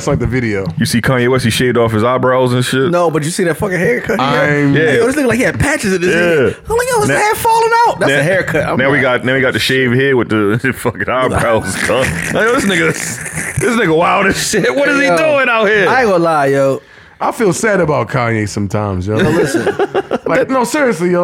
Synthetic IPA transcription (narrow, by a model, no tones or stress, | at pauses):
tslaɪk̚ðɨvɪɾioʊjɨsikʰɑ̃njewɛsiʃeɪvdɔfɨzabɹaʊlˠzɨ̃nʃɪt̚noʊbʌt͡ʃɨsiðɨtfʌkɨ̃hɛɹkʰʌtaɪ̃mmjæoðɪsnɪklaɪkjæpʰæt͡ʃɨzɨt̚ɪjzælaɪkoʌnɛ̥fɔlˠə̃naʊt̚ðætnsðɨɦɛɹkʰʌtã̰ɪ̃naʊwiɡɑt̚ⁿnaʊwiɡɑtɨʃeɪv̥hiɹwɨtɨfʌkɨ̃naɪbɹaʊlˠz̥kʰɑnoðɪsnɨɡɨsðɪsnɨkəwaɪlˠɾɨʃɪt̚wʌt̚d̥ʌziduɪ̃naʊhiɹaɪɡolajoʊ | ʔaɪfilˠsæɾɨbaʊt̚kʰɑnesʌ̃mtʰãɪ̃mzjɨnolɪsɨ̃nlaɪk̚noʊsɪɹiɨslij